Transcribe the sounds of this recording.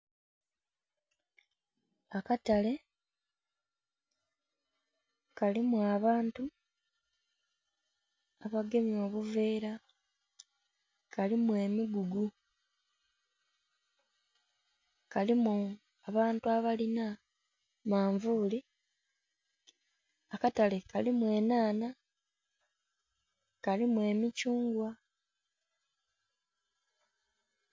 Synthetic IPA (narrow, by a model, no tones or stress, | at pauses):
akatale̞ | kalimuaβaːntu | aβaɡe̞mjo̞ːβuveːɾa | kalimwe̞ːmiɡuɡu | kalimu | aβaːntuaβalina | maːɱvuːli | akatalekalimwe̞ːnaːna | kalimwe̞ːmicuːŋɡwa